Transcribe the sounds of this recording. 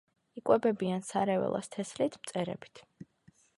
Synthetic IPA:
ikʼwɛbɛbiansaɾɛvɛ̰lˠa̰st̪ʰɛslit̪ʰmt̪sʼɛɾɛ̰bi̥t̪ʰ

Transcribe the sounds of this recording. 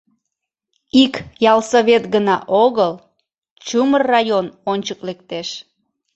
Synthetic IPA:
ikjɑlsoβet̪ɡənɑʔoɣəl | t͡ɕumərːɑjononʲt͡ɕəklekt̪eʃ

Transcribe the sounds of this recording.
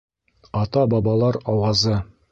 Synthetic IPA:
ɑt̪ɑbɑbɑlˠɑɾɑwɑzɤ

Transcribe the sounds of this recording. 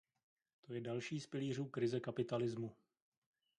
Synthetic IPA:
t̪o̞jɛdalʃiːspɪliːr̝uːkɾɪzɛkapɪt̪alɪzmu

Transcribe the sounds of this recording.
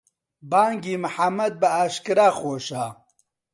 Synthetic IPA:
baːŋɡiːmɨħamːɐd̪̚bɐaːʃkɨɾaːxoːʃaː

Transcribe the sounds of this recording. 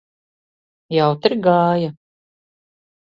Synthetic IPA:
jawt̪iɾɡaːja

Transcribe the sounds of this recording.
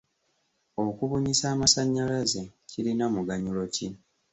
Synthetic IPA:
okuβuɲisaːmasaɲːalazecilinamuɡaɲulo̞ci

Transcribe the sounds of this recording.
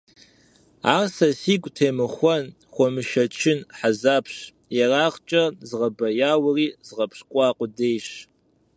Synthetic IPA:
arsɐsikʷʼtʰeːmɨχʷɔn | χʷɔmɨʃɐt͡ʃʰɪnħazapʰʂ | jaraːχt͡ʃʼɐzʁɐbɐjaːwɨriːz̥ʁɐpʰʂkʷʼaːqʷʼʊdejʂ

